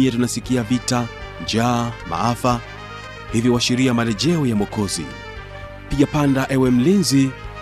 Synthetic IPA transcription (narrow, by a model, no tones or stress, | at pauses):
iatunasikiavita | d͡ʒaːma̰afa | hivjiwaʃiɾiamalɛʄɛɔjamɔkɔzḭ | piʄapandaʔɛwɛm̩linzi